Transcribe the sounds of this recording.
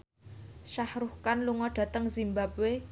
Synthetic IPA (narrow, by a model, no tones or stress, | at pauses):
ʃahɾuhkanluŋɔɖ̥a̤t̪əŋzimbabwe